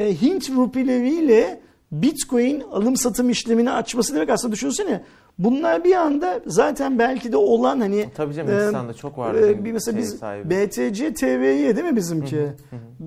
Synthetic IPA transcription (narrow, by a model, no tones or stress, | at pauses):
ɦint̪vupilʲevijlʲɛ | bit̪kʰo̞jinalˠɯmsat̪ʰɯmiʃlʲeminiat͡ʃmasɯd̪emɛcasɯnd̪ad̪yʃynɾsenjɛ | bunlˠaɾbiand̪azaːt̪ʰænbælʲcʰid̪ɛo̞lˠanhanɪt̪ʰait͡ʃʰokmɛselʲabizbet̪ʰed͡ʒɛt̪ʰeːvejɛd̪emibizimcʰɪ